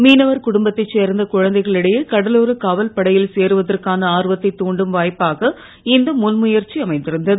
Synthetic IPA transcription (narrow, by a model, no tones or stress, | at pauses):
miːnɐʋɐɾkʊɽʊmbɐt̪ːɐɪt͡ʃːeːɾnd̪ɐkʊɻɐnd̪ɐɪɣɐɭɪɽɐjɯkɐɽɐloːɾɯkaːʋɐlpɐɽɐjɪlseːɾɯʋɐðɐrkaːnɐaːɾɯʋɐt̪ːɐɪt̪ːuːɳɖɯmʋaːjpːaːɣɐ | ɪnd̪ɐmʊnmʊjɐɾt͡ʃiɐmɐɪnd̪ɪɾɯnd̪ɐðɯ